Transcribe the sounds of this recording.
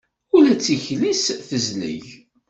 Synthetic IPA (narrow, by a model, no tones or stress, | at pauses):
ʊlæt͡sːiçlisθəzlḭʝ